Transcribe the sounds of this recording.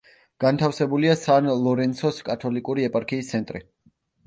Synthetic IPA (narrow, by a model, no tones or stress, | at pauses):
ɡ̥ant̪ʰafsɛbuliasanlˠɔɾɛnt̪sʰɔskʼat̪ʰɔlikʼuɾiɛpʼaɾkʰiːst̪sʰɛnt̪ʼɾi